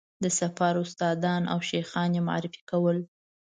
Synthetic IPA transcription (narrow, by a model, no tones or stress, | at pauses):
d̪əsafɑɾʊst̪ɑd̪ɑna̰wʃejxɑnjema̰ɾɪfi̥kawəl